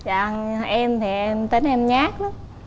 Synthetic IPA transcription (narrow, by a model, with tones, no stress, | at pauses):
zaː˨˧nʔɛ˧mt̪ʰi˨˩ɛ˧mt̪ə˨˦nʔɛ˧mɲaː˦˥k̚nɨ˨˦